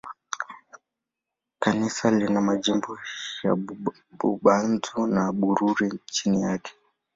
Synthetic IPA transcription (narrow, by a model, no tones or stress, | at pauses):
kanisalinamaʄimbɔja̰ | ɓṵɓanzunaɓuɾuɾit͡ʃinijakʰɛ̥